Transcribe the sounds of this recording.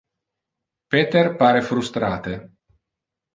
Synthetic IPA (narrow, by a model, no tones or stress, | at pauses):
pet̪erpaɾefɾust̪ɾaːt̪e